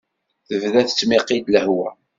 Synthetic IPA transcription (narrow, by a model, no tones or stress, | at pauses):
θəvðæθət͡sːmiqid̪ləhwæ